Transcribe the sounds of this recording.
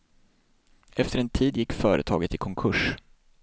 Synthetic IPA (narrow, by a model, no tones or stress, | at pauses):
ɛft̪əɾɛnt̪ʰiːd̪jɪkːfœːɾʔə̰t̪ʰɑ̰ːɡət̪ɪkʰɔŋkʰɵʂ